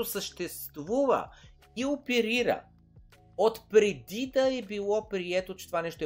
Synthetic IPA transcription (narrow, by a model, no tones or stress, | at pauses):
osəʃt̪ɛst̪vuvə̰ | iopɛɾiɾə̰ | ot̪pɾɛd̪id̪ɐɛbilˠɔpɾiɛt̪ot͡ʃɛt̪ovanɛʃt̪oɛ